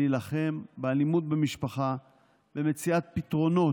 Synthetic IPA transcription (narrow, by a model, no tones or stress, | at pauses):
ilaχe̞mbealimut̪̚bemiʃpaχa | bemet͡siat̪̚pit̪ʁo̞no̞